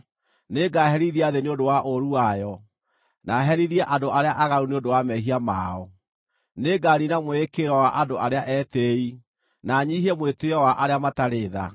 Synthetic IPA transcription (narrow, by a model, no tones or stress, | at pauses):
neɡaɦɛɾiðiaðeneodowaʔoɾuajɔ | naɦɛɾiðiɛʔadoaɾeaʔaɣaɾuneondowamɛɦiama̰ɔ | neɡaɾinamwekeɾɔwaʔandoʔaɾeaʔɛtei | naɲiɦiɛmweteɔwaʔaɾeamataɾeːða̰